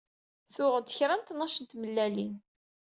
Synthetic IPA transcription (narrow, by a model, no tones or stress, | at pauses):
θʊʁəd̪əçɾænt̪nːɑʃənt̪məlːælin